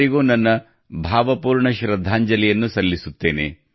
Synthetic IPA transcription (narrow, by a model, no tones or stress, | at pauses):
iɡoːnɐnːɐ | bʱaːʋɐpuːɾɳɐʃɾɐd̪ʱːaːɲd͡ʒɐlijɐnːusɐlːisut̪ːe̞ːnḛ